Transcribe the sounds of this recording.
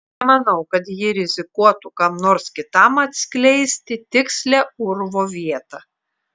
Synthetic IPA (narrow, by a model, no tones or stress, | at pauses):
ɛmɐnɐʊkɐt̪jɪɾʲɪzʲɪkuɔt̪ukɐmnoːɾskʲɪt̪ɐmɐt̪ʲsʲklʲɛɪsʲt̪ʲɪt̪ʲɪksʲlʲæʊɾʋoːʋʲiɛt̪ɑ